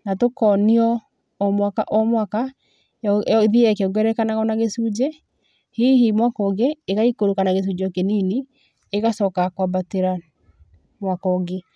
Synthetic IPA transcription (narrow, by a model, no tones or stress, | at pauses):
natokɔniɔ | ɔmwaka̰ʔɔmwaka | ðiɛkeoŋɡɛɾɛkanaɣɔnaɣesud͡ʒɛ | hiɦimwakɔɡeeɣaikoɾokanaɣes̬ud͡ʒɔkenini | eɣasɔkakwabateɾa | mwakɔɡe